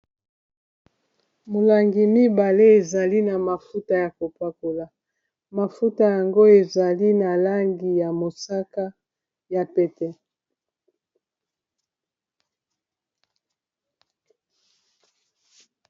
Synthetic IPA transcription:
mo˨la˨ŋɡi˨mi˦ba˨le˦e˨za˨li˦na˨ma˨fu˦ta˦ja˨ko˨pa˦ko˨la˨ | ma˨fu˦ta˦˨ja˨ŋɡo˦e˨za˨li˦na˨la˦ŋɡi˨ja˨mo˨sa˦ka˦ | ja˨pɛ˨tɛ˦

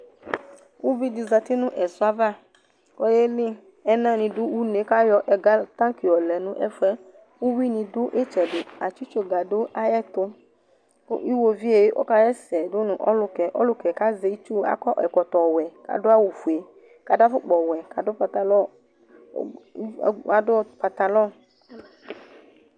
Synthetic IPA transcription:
wu˦vi˦di˧za˧t̪i˦nũ˦ʔɛ˨sʊ˦a˦va˦ | kɔ˦je˦lĩ˦ | ɛ˦nã˦˨nĩ˧dʊ˦wu˦ne˨˦ka˦jɔ˧ʔɛ˨ɡa˦t̪ã˦ki˨ɔ˨lɛ˨nũ˦ʔɛ̰˦fɛ˦ | wu˦wi˦nĩ˧dʊ˦ʔe˦t͡ʃɛ˨dʊ˨a˨t͡ʃi˦t͡ʃo˦ɡa˨do˦ʔa˦jɛ˦t̪ʊ̰˦ | ʔi˦wo˨vi˦e˨je˦ʔo̰˦ka˦jɛ˦sɛ˨do˦nũ˨ʔɔ̰˦lʊ˨kɛ˨ʔɔ̰˦lʊ˦kɛ˨ka˦ze˨˦i˦t͡ʃu˦a̰˦kɔ˦ʔɛ˨kɔ˨t̪ɔ˨wɛ˨ka̰˨do˦a˦wu˨fu˨e˨ | ka˨da˦fʊ˦k͡pɔ˨wɛ˨ka˨do˦pa˨t̪a˨lɔ˦˨ | a˨do˦pa˨t̪a˨lɔ˦˨

